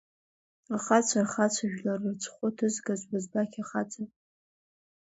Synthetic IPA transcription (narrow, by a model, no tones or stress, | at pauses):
aχat͡ɕʷʰarχat͡sʷʰaʒᶣlarɨrt͡sʷʰχʷʊtʰɨzɡazʷbazbakʲʰaχat͡sʰʼapʼ